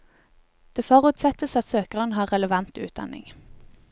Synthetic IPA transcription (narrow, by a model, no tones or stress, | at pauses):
d̪̥eːfɔʁʉːt̪sɛt̪əsɑt̪søːkəʁənhɑːʁʁɛləʋɑnt̪ʉ̰ːt̪̚d̪ɑ̰nɪ̰ŋ